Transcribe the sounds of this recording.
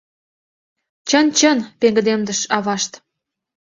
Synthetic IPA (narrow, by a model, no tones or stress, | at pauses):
t͡ɕənt͡ɕənpeŋɡə̆d̪emd̪ə̆ʃɑβɑʃt̪